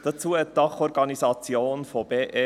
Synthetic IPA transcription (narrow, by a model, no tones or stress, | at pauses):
d̥ɑt͡suːəɛtd̥ɑχɔɾɡɑnizɑt͡sjoːnfob̥eːʔe